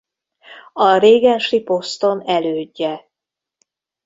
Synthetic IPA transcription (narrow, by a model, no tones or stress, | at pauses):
ɒɾeːɡɛnʃipo̞st̪o̞nɛløːɟːɛ